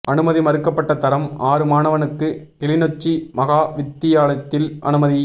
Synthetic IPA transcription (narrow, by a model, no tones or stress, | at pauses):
ʔɐnɯmɐðimɐɾɯkːɐpːɐʈːɐt̪ɐɾɐmaːɾɯmaːnɐʋɐnɯkːɯt̪ɛlɪnɔt͡ʃːimɐɣaːʋɪt̪ːɪjaːlɐt̪ːɪlʔɐ̰nɯmɐði